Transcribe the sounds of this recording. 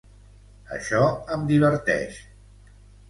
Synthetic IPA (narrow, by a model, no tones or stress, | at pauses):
ə̰ʃɔəmd̪iβəɾt̪ɛ̰ʃ